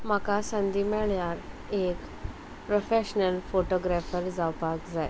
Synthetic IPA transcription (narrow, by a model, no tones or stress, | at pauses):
m̤akasə̃nd̪imɛɭjaɾ | ek | pɾofeɕnəlfoʈɔɡɾɛfəɾd͡zawpakd͡zaj